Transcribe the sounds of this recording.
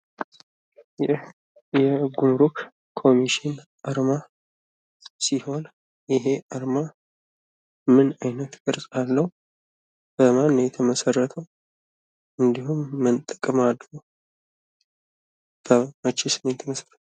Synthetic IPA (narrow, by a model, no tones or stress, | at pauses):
j | jɛɡumɾuk | kʰo̞miʃɪnʔaɾma | siho̞n | jɪɦe̞ʔaɾma | mɨnajnət̪ɡʼɨɾsʼalːəhu | b̥əmanːjɛt̪ʰəməsərːət̪ʰəw | ʔɨnd̪ihumːənt̪ʼəkʼəmad̪ɾo | b̥əmət͡ʃːisɨnejɛt̪ʰəməsərət̪ʰəwə